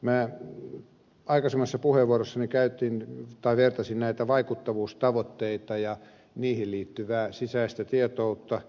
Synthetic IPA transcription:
mæː | ɑikɑsemːɑsːɑpuheʋuorosːɑnikæyt̪int̪ɑiʋert̪ɑsinnæit̪æʋɑikut̪ːɑʋuːst̪ɑʋot̪ːeit̪ɑjɑ | niːhilliːt̪ːyʋæːsisæist̪æt̪iet̪out̪ːɑ

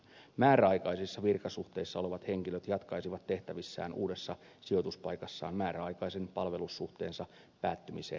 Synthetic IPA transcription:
mæːɾæɑjkɑjsisːɑʋirkɑsuht̪e̞isːɑo̞leʋɑt̪he̞ŋkiløt̪jɑt̪kɑjsiʋɑt̪ːe̞ht̪æʋisːæ̰ːnṵːde̞sːɑ | sio̞t̪uspɑjkɑsːɑ̰ːmmæːɾæɑjkɑjsenpɑlʋe̞lusːuht̪e̞ːnsɑ | pæːt̪ːymiseː

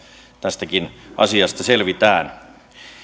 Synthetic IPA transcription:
t̪æst̪ækinʔɑ̰siɑst̪ɑselʋit̪æːn

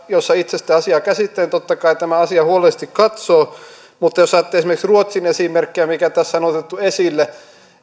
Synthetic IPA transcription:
josːɑit̪sest̪æːɑsiɑːˑkæsit̪ːent̪ot̪ːɑkɑit̪æmæɑsiɑhuolest̪ikkɑt̪soː | mut̪ːɑjosɑːt̪ːeesimerksruot̪sinesimerkːiæmikæt̪æsːɑnot̪et̪ːuesilːe

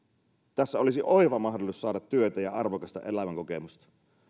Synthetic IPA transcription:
t̪æsːæolisiʔo̞eʋɑmɑɦdolusːɑːdɑt̪ːyøt̪æjɑɑrʋokɑst̪ɑ̰ʔe̞læʋæŋkokemust̪ɑ̥

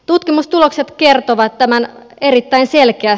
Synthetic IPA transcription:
t̪ut̪kimust̪ulo̞kset̪kert̪oʋɑt̪ːæmæn | erit̪ːæinselkeæ

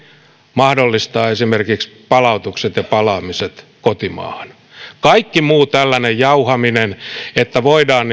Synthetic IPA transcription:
mɑhdolːist̪ɑːesimerkikspɑlɑut̪ukset̪jɑpɑlɑːmiset̪kot̪imɑ̰ːhɑn | kɑikːimuːt̪ælːænejjɑuhɑminenet̪ːæʋoidɑːn

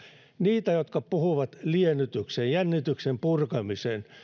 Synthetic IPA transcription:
niːt̪æjot̪kɑpuhuʋɑt̪lienyt̪yksejjænːit̪yksempurkɑmisen

